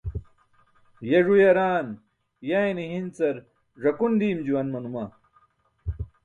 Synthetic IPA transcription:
jeʐujɐɾaːn | jajniɦint͡sɐɾ | ʐɐkund̪iːmd͡ʑuwɐnmɐnumɐ

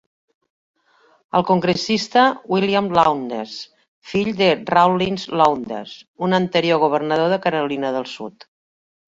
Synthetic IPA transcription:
əlˠkuŋɡɾəsist̪əwiliamlawnd̪ḛs | fiʎd̪ərawlinzlawnd̪ḛzunənt̪əɾioɣuβ̞ərnəð̞oðəkəɾəlinəðəlˠsṵt̪

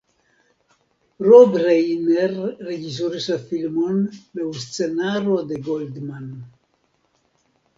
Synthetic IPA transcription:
robɾejneɾːed͡ʒis̬oɾislafilmonlewst͡senaɾod̪eɡold̪man

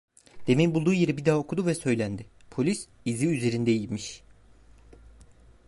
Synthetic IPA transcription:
d̪̥e̞minbulˠd̪uːje̞ɾibid̪aːaokʰud̪uvɛsø̞jlʲænd̪ɪpʰo̞lʲis | iziyze̞ɾind̪ejilʲmiʃ

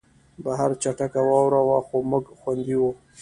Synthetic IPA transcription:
baɦaɾt͡ʃaʈakawɑwɾawaxomʊɡxwand̪iwu

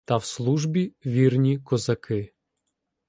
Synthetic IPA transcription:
t̪ɐwslˠuʒbʲiʋʲirnʲikɔzɐkʰɪ

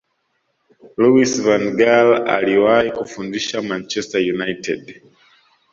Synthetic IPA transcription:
luisvãnɡala̰liwajikufundiʃamãnt͡ʃɛstajunajtʰɛ̰d

